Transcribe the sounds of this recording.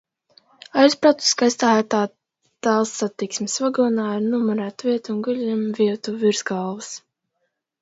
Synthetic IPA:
ajspɾat̪u̥skajst̪aːjaːt̪aː | t̪alˠsːat̪iksmesvaɡɔnaːiɾnumɔɾæːt̪vʲiɛt̪uːnɡulʲimviɛt̪uviɾzɡalˠvɨs

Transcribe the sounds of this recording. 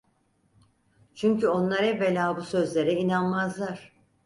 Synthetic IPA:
t͡ʃʰyɲcyo̞nlˠaɾɛvelʲaːbusø̞zlʲe̞ɾɛinanmazlˠaɾ̥

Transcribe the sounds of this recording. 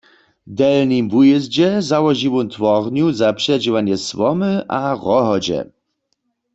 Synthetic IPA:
d̪ɛlnimvujɛzd͡ʑɛzawɔʒiwɔnt̪wɔʁnjuzapʂɛd͡ʒiwanjɛswɔməʔaʁɔɦɔd͡ʑɛ̰

